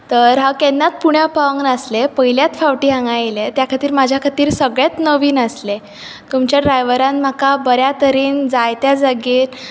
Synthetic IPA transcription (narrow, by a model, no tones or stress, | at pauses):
t̪əɾɦãkenːat̪̚puɳjapaŋɡnaslepəɦiljat̪faʋʈiːɦãŋɡajlet̪jakʰat̪iːɾmad͡ʑʱjakʰat̪iːɾsəɡɭat̪nəʋiːnəsle | t̪umt͡ɕjaɖɾajʋəɾanm̤akabəɾjat̪əɾiːnd͡zajt̪jad͡zaɡiːn